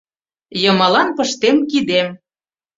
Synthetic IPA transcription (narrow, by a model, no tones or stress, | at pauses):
jɤ̆mɑlɑnpɤ̆ʃt̪emkid̪em